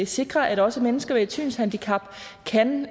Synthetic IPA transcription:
ese̝ɡ̥ʁɐʔæd̥ɒ̽səmenəsɡ̥ɐʋei̥t͡sʰy̰ːnshænd̥ikʰɑ̈b̥ | kʰæn

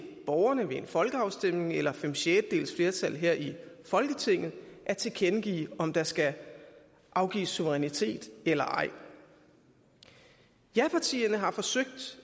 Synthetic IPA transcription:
b̥ɒʊɐnəʋe̝enfɒ̽lɡ̥əɑ̈ʊsd̥em̰ne̝ŋelɐfemɕed̥d̥e̝̰ːlsfle̝ɐt͡sʰæl̰ɦeɐ̰ʔifɒ̽lɡ̥ət͡sʰe̝ŋ̰ð̩ˠʔæɐt͡sʰe̝ɡʰenɡ̥ḭːɒ̽md̥ɑ̈sɡ̥æ | ʔɑ̈ʊɡ̥ḭːsːuʋəʁɛnit͡sʰe̝̰ːd̥elɐʔɑ̈ɪ̰ | jæpʰɑ̈t͡sʰḭːɐnəɦɑ̈fɒ̽søɡ̥̚d̥

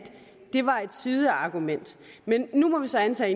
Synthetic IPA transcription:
d̥ | d̥e̝ʋɑ̈e̝d̥siðˠəɑ̈ɡ̥umen̰d̥ | menːumɒ̽ʋisɒ̽ænt͡sʰɛ̰ːe

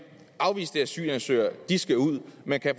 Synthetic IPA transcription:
ʔɑ̈ʊʋḭːsd̥eæsy̰ːjɐnsø̰ːɐd̥isɡ̥æuð̰ˠmænkʰæf

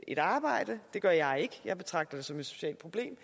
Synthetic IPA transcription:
e̝ɾ̥ɑ̈ːb̥ɑ̈ɪ̰d̥əd̥e̝ɡ̥ɶɐjɑ̈ɪe̝ɡ̥əjɑ̈ɪb̥e̝t͡sʰʁɑ̈ɡ̥̚d̥ɐd̥esɒ̽me̝d̥so̝̥ɕɛ̰ːld̥̚pʰʁob̥le̝̰ːm

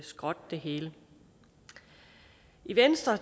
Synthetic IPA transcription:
sɡ̥ʁɒ̽d̥̚d̥e̝ɦeːlə | iʋensd̥ʁɐ

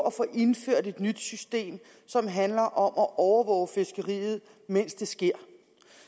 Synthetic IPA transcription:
ɒfɔ̽ːʔe̝nføɐ̰d̥e̝d̥nyd̥sysd̥e̝̰ːm | sɒ̽mɦænlɐʔɒ̽mʔɒʔɒʊɐʋɒ̰ːʊfe̝sɡ̥əʁḭːð̞̩ˠ | men̰sd̥e̝sɡ̥e̝ɐ̰

